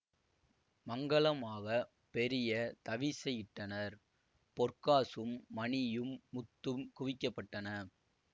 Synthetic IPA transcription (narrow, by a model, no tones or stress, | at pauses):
mɐŋɡɐɭɐmaːɣɐ | pɛɾɪjɐt̪ɐʋɪsɛjɪʈːɐnɐɾ | pɔrkaːsɯmːɐɳɪjɯmːʊt̪ːɯmkʊʋɪkːɐpːɐʈːɐnɐ